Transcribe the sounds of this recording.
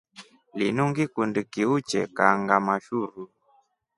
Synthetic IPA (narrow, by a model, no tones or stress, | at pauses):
linuŋɡikundikiut͡ʃɛ̰kaŋɡamaʃuɾu